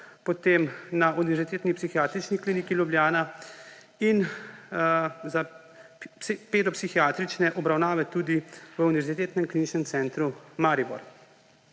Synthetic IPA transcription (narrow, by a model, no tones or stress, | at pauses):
pɔt̪eːmnaʔuniʋɛɾz̥it̪eːt̪nipsixijaːt̪ɾit͡ʃnikliːnikiljubljaːna | in | za | peːd̪ɔpsixijaːt̪ɾit͡ʃnɛʔɔbɾawnaːʋɛt̪uːd̪iʋəuniʋɛɾzit̪eːt̪nɛmkliːnit͡ʃnɛmt̪sɛːnt̪ɾumaːɾibɔ̰ɾ